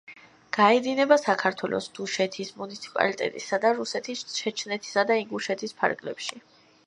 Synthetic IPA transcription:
ɡ̥aɛd̪inɛbasakʰaɾt̪ʰwɛlʔɔ̰sd̪̥uʃɛt̪ʰismunit̪sʰi̥pʼa̰lit̪ʼɛ̰t̪ʼḭsad̪aɾusɛt̪ʰisʃɛt͡ʃʰnɛt̪ʰi̥sad̪aiŋɡuʃɛt̪ʰispʰa̰ɾɡlɛpʃi

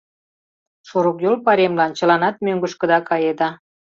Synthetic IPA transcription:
ʃuɾukjolpɑɾemlɑnt͡ɕə̆lɑnɑt̪̚møŋɡə̆ʃkə̆d̪ɑkɑjed̪ɑ

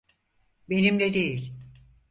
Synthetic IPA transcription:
be̞nimlʲɛd̪ejilʲ

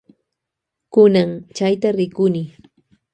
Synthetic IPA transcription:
kʊnaŋt͡ʃajt̪aɾɪkʊnɪ

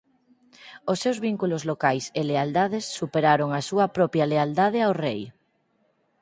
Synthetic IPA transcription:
osːewzβiŋkulozlokajseleald̪að̞esːupeɾaɾoŋasuapɾɔpjaleald̪að̞eaowrej

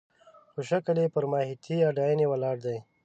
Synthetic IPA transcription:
xoʃakəlepəɾmɑhit̪ʰiaɖɑjanewalɑɽd̪aj

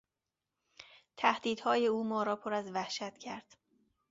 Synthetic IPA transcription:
t̪ʰæhd̪iːd̪̥hɒːje̞uːmɒːɾɒːpʰoɾæzvæhʃæt̪cʰæɾd̪̥

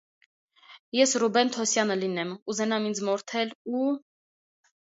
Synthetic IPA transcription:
jɛsrubɛnt̪ʰɔsjɑnəlinɛmuzɛnɑmind͡zmɔɾt̪ʰɛlu

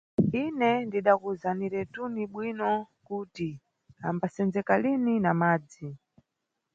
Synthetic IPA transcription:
inɛndiɗakuzaniɾɛtuniɓwinɔ | kuti | ambasɛnd͡zɛkalininamaːd͡zi

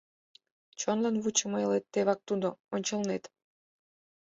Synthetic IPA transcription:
t͡ɕonlɑnβut͡ɕəməjəlet̪ːeβɑk̚t̪ud̪oonʲt͡ɕəlnet̪

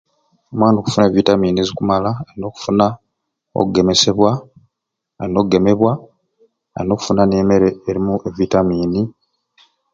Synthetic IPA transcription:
omwaːndo̞ku̥funevitamiːniezikumalaaɾino̞ːku̥funa | o̰kuɡe̞me̞se̞βwa | aino̞ːkuɡe̞me̞βwa | a̰ɾinoːku̥funane̞ːme̞ɾe̞ːɾimuʔe̞vitamiːni

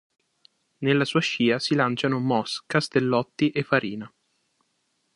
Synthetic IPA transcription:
nelːasuːaʃiːasilant͡ʃanomɔskast̪elːɔt̪ːiʔefːaɾiːna

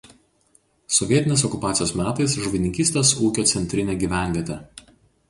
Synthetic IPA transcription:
sɔʋʲiɛɪnʲeːs̬ɔkʊpɑːt̪sʲɪjoːsmʲæːt̪ɐɪsʒʊʋʲɪnʲɪŋʲkʲiːsʲt̪ʲeːsuːkʲoːt̪sʲɛnʲt̪ʲɾʲɪnʲeːɡʲiːʋʲæˑnʲʋʲiɛt̪ʲe

